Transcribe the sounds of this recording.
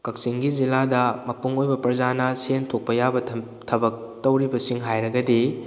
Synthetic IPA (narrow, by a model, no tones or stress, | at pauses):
kɐk̚siŋɡiziladɐmɐpuŋojbɐpɐɾzanɐsentʰok̚pɐjabɐ | tʰɐbɐk̚tɐwɾibɐsiŋɦajɾɐɡɐdi